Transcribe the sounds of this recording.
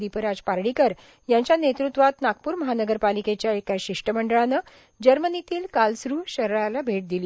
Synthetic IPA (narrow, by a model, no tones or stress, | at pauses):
d̪ipəɾad͡zpaɾɽikəɾ | jaɲt͡ɕjanet̪ɾut̪ʋat̪nak̚puːɾməɦanəɡəɾpaliket͡ɕjaekaɕiʂʈəməɳɖəɭanə | d͡ʑəɾmənit̪iːlkalsɾuːɕəɾɭalabʱeʈ̚d̪ili